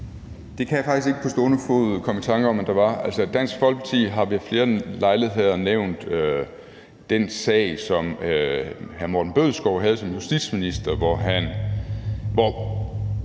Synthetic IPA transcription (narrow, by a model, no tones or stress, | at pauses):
d̥e̝kʰæjɑ̈fɑ̈ɡ̥isɡe̝ɡ̥əpʰɒ̽sd̥o̝ːnəfo̝̰ð̩ˠkʰɒ̽mət͡sʰɑ̈ŋɡ̥ɐɒ̽mend̥ɑ̈ʋɑ̈ælsəd̥æn̰sɡ̥fɒ̽lɡ̥̚pʰɑt͡sʰḭːɦɑ̈ʋifle̝ːɐlɑ̈ɪle̝ð̩ˠɦe̝ð̞ˠɐneʊ̰nd̥ø | d̥ensɛ̰ɪsɒ̽møhæɐmo̰ɐd̥n̩b̥øðˠsɡ̥ɒʊ̰ɦæð̞ˠsɒ̽mjusd̥i̥sminisd̥ɐʋɒɦæn | ʋɒ